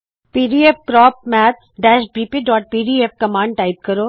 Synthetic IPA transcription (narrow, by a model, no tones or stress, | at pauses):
piːɖiep̚kɾɔːp̚mɛːt̪̚ʰɖɛːʃbiːpiːɖɔːʈ̚piːɖiep̚kɐmãːɳɖ̚ʈaːɪp̚kɐɾoː